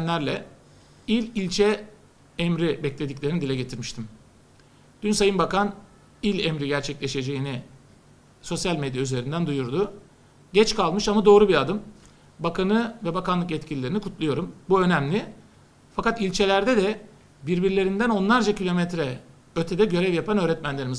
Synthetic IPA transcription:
nlʲæɾlʲɛ | ilʲilʲt͡ʃʰɛ | ɛmɾibɛclʲe̞d̪iclʲe̞ɾinid̪ilʲɛɟe̞t̪ʰiɾmiʃt̪ʰim | d̪̥ynsajɯnbakan | ilʲɛmɾiɟæɾt͡ʃʰɛclʲe̞ʃe̞d͡ʒe̞jini | so̞sjalʲmɛd̪jayze̞ɾind̪ænd̪ujuɾd̪ʊ | ɟɛt͡ʃkalˠmɯʃamad̪o̞ːɾubiad̪ɯm | bakʰanɯvɛbakanlˠɯk̬ɛt̪̚cʰilʲilʲe̞ɾinikʰut̪ʰlˠujo̞ɾumbuø̞næmlʲɪ | fakat̪ilʲt͡ʃʰe̞lʲæɾd̪ɛd̪ɛ | biɾbiɾlʲe̞ɾind̪æno̞nlˠaɾd͡ʒacʰilʲo̞mɛt̪ɾɛ | øt̪ʰɛd̪ɛɟø̞ɾɛvjapʰanø̞ːɾɛt̪mænlʲe̞ɾimiz

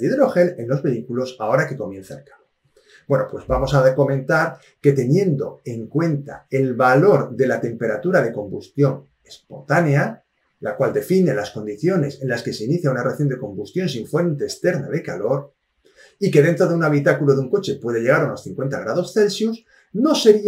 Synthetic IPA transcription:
iðɾo̞xe̞le̞nlo̞zβe̞ikulo̞sao̞ɾake̞ko̞mje̞n̟θa̰lkḁlo | bwe̞nopwe̞zβamo̞sako̞mẽ̞nt̪aɾ | ke̞t̪e̞nje̞nd̪o̞̰e̞ŋkwe̞nt̪a̰e̞lβalo̞ɾðe̞lat̪e̞mpe̞ɾat̪uɾaðe̞ko̞mbust̪jo̞n | e̞spo̞nt̪ane̞a | lakwald̪e̞fine̞lasko̞nd̪iθjo̞ne̞se̞nlaske̞seiniθjaunareθjo̞nd̪eko̞mbust̪jo̞nsiɱfwe̞nt̪e̞ːst̪e̞ɾnaðe̞kalo̞ɾ | ike̞ðe̞nt̪ɾoðeunaβ̞it̪akuloðeuŋko̞t͡ʃe̞pwe̞ðe̞ʎe̞ɣ̞aɾuno̞sθiŋkwe̞nt̪aɣ̞ɾað̞o̞sθe̞lsjus | no̞se̞ɾi

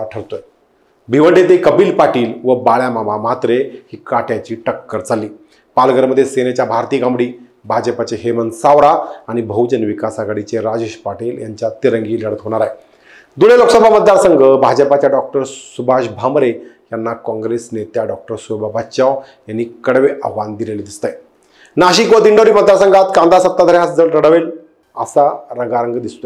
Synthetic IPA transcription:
aʈʰəɽt̪oe | bʱiʋəɳɖet̪ekəbiːlpaʈiːlʋəbaɭjamamamat̪ɾehiːkaʈjat͡ɕiːʈəkːəɾd͡zalːiː | palɡəɾməd̪ʱːjesenet͡ɕjabʱaɾt̪iːɡambɽiː | bʱad͡ʑəpat͡ɕeɦemənsaʋɾaaɽ̃ibʱəwd͡ʑənʋikasaɡaɽit͡ɕeɾad͡ʑeɕpaʈiːljaɲt͡ɕjat̪iɾəŋɡiːləɽ̤ət̪ɦoɽ̃aɾaɦe | d̪uɭeloksəbʱamət̪̚d̪aɾsəŋɡəbʱad͡ʑəpat͡ɕjaɖɔk̚ʈəɾsubʱaɕbʱamɾe | janːakɔ̃ŋɡɾesnet̪jaɖɔk̚ʈəɾsubabʱaɕaw | janːiːkəɽʋeʔəɦʋand̪ileleːd̪ist̪aj | naɕikod̪iɳɖoɾiːmət̪ːaɾsəŋɡat̪kãnd̪asət̪ːad̪ʱəɾjasd͡zələɽəʋel | ə̰saɾəɡaɾəŋɡd̪ist̪o

